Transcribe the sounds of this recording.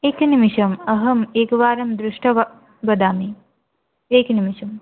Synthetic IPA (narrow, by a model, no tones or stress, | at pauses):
eːkɐnimiʃɐmɐɦɐmeːkɐʋaːɾɐmd̪ɾuʂʈɐʋɐ | bɐd̪aːmi | eːkɐnimiʃɐm